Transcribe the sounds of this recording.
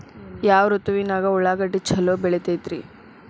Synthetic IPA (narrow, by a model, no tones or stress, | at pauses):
jaːʋɾut̪uʋinaːɡɐɔɭːaːɡɐɖːit͡ʃɐlːoːbɛɭet̪ejt̪ɾḭ